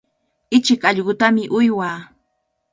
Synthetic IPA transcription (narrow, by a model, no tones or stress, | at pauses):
ɪt͡ʃɪkɑʎɢʊt̪amɪʔʊjwaː